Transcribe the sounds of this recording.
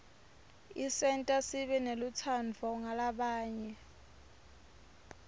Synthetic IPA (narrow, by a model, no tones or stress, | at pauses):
isɛntʼasiɓɛnelut͡sʰand͡vʱɔŋalaɓaːɲɛ